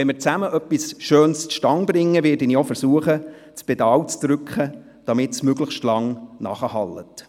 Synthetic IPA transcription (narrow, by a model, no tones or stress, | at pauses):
ʋɛnmɪɾt͡sæməʔœpːisʃøːnstʃtɑŋbɾɪŋːəʋɪːɾdɪniofəɾsuəχə | t͡sb̥ed̥ɑːwt͡sd̥ɾʏkχə | d̥ɑmɪtsmøɡləχʃtlɑŋnɑ̰χəhɑlːət